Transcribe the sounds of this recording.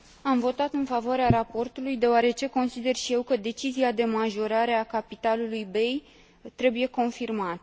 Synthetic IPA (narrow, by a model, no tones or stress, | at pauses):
amvo̞t̪at̪ɨnfavoaɾeaɾapo̞rt̪ulujd̪e̞oaɾe̞t͡ʃe̞ko̞nsid̪e̞rʃijewkəd̪e̞t͡ʃiziad̪e̞maʒo̞ɾaɾe̞akapit̪alulujbe̞j | t̪ɾe̞buje̞ko̞nfirmat̪